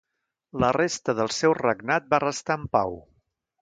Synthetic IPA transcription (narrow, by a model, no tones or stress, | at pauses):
lərest̪əðəlˠsɛwrəɡnat̪̚barəst̪aəmpa̰w